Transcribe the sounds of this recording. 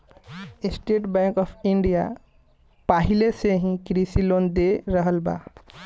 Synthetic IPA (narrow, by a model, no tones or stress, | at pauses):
ɪsʈeːʈbɛ̃ːŋkɔːpʰɪ̃ɳɖija̰ | paːɦɪleseɦĩkɾiːsiloːnd̪eɾəɦəlba̰ː